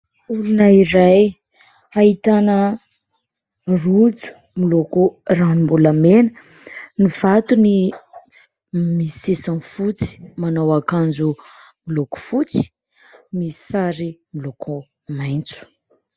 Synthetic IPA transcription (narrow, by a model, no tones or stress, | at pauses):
ulunaiɾaj | ait̪anə | rud͡zu̥ | milokuranimbulamenə | niv̥at̪uni | misisanfut͡si̥manawakand͡ʒumiloku̥fut͡si̥ | misaɾimilokʰɔ | majnt͡su̥